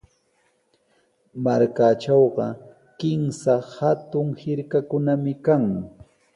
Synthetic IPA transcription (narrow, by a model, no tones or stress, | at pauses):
maɾkat͡ʃɑwɢɑ | kɪmsahat̪ʊŋhɪɾkakʊnamɪkaŋ